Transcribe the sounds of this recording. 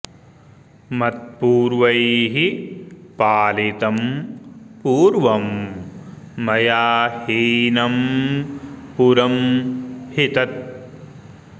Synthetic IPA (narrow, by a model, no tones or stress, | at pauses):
mɐt̪̚puːɾʋɐjɦipaːlit̪ɐm | puːɾʋɐm | ɐjaːhiːnɐm | puɾɐm | hit̪ɐt̪̚